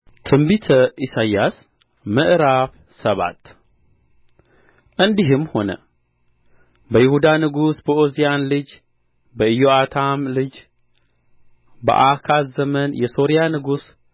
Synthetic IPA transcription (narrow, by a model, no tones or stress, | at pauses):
t̪ʰɨmbit̪ʰəʔisajːas | mɨʔɾaf | səβa̰t̪ | ʔɨnd̪iɦɨmːho̞nə̰ | bəjɪhud̪anɨɡusbəozijanlɨd͡ʒ | bəɨjoat̪ʰamlɨd͡ʒ | bə̰ʔakʰazəmənjɛso̞ɾijanɨɡus